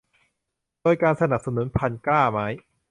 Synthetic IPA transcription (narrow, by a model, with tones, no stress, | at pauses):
d̥oː˧jkaː˧nsa˧na˨˩p̚sa˧nu˩˦npʰa˧nklaː˥˩ma˦˥j